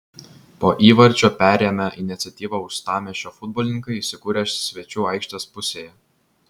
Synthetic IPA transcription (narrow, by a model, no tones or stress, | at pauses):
poːʔiːʋɐɾʲd͡ʒʲoːpʲæːˑɾʲeːmʲɛʔɪnʲɪt̪sʲɛt̪ʲiːʋɐʊʃst̪ɑːmʲeːʃʲoːfʊd̪̚bɔːlʲnʲɪŋkɐɪisʲɪkuːɾʲesʲʋʲɛt͡ʃʲuːɐˑɪkʃʲt̪ʲɛspʊsʲeːjɛ